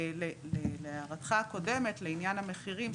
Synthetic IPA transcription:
leleleaʁatχako̞de̞metleinjanhame̞χiʁim

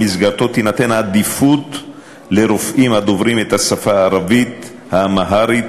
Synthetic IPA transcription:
isɡaɾt̪o̞t̪inat̪enad̪ifut̪ | leɾofʔimad̪ovɾimet̪hasafaːɾavit̪ | hamaɦaɾi

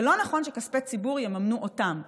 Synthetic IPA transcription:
elo̞naχo̞nʃekaspet͡sibuʁjemamnuʔotam

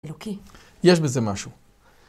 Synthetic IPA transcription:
loki | jeʃbezemaʃu

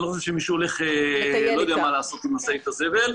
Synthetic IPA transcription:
nixoʃeʃemiʃuole̞χelojod̪ejamalaːso̞t̪imasait̪aze̞ve̞l

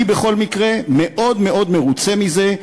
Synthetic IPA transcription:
ibeχo̞lmikʁe̞me̞ʔo̞d̪me̞ʔo̞d̪me̞ʁut͡se̞mize̞

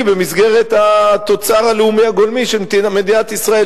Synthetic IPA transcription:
bemisɡe̞ʁe̞t̪at̪o̞t͡saʁaleumiaɡo̞lmiʃeimed̪inat̪isʁae

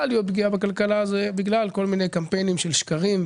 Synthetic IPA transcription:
alijo̞t̪̚bɡiabekalkalazebiɡlalko̞lmine̞jkampe̞jnimʃelʃkaʁim

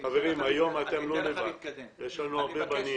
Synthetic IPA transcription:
aveʁimajo̞mat̪emlonevaleʃanuaʁbebani

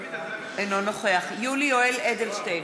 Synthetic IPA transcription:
enonoχeaχjulioeled̪elʃtej

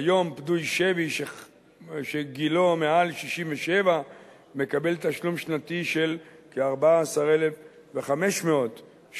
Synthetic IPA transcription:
ajo̞mpdujʃeviʃe | ʃeɡilo̞mealʃiʃimveʃeva | me̞kabe̞lt̪aʃlumʃnatiʃe̞lkeaʁbaaːsaʁe̞lef | veχame̞ʃmeo̞t | ʃ

